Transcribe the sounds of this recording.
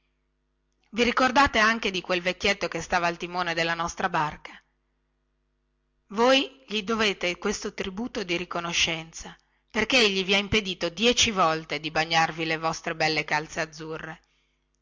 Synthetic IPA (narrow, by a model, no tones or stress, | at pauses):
viɾikord̪aːt̪eaŋk̟ed̪ikwelvekːjet̪ːokest̪aːvaːlt̪imoːned̪elːanɔst̪ɾabarka | vojʎid̪oveːt̪ekwest̪ot̪ɾibuːt̪od̪iɾikonoʃːɛnt̪sa | perkeeʎːiviaimped̪iːt̪od̪jɛt͡ʃivɔlt̪ed̪ibaɲːarvilevɔst̪ɾebɛlːekalt̪sead̪zːurːe